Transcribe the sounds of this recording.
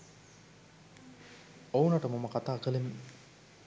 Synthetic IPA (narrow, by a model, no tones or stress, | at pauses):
owunɐʈəmaməkat̪aːkəlemi